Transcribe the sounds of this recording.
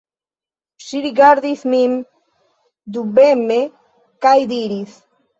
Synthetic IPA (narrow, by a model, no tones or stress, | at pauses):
siɾiɡaɾðiθmim | d̪ubeme | kajd̪iɾiθ